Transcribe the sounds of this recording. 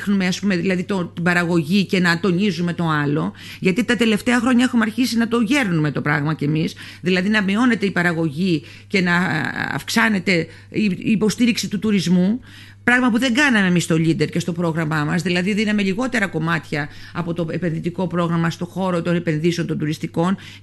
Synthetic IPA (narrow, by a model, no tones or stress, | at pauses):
xnume̞ɐspume̞ðilɐðit̪ot̪ibɐɾɐɣo̞ʝice̞nɐt̪o̞nizume̞t̪o̞ɐlo̞ | ʝɐt̪it̪ɐt̪e̞le̞ft̪e̞ɐxɾoɲɐexumeɐɾçisinɐt̪oʝe̞ɾnume̞t̪o̞pɾɐɣmɐce̞misðilɐðinɐmio̞ne̞t̪eipɐɾɐɣo̞ʝi | ce̞nɐɐ̰fksɐne̞t̪e̞ | iːpo̞st̪iɾiksit̪ut̪uɾizmu | pɾɐɣmɐpuðe̞ŋɡɐnɐme̞ːmist̪o̞ʎid̪e̞ɾce̞st̪o̞pɾo̞ɣɾɐmɐmɐsðilɐðiðinɐme̞ʎiɣo̞t̪e̞ɾɐko̞mɐt̪çɐɐpo̞t̪o̞epe̞nðit̪iko̞pɾo̞ɣɾɐmɐst̪o̞xo̞ɾo̞t̪o̞ne̞pe̞nðisent̪od̪uɾist̪iko̞n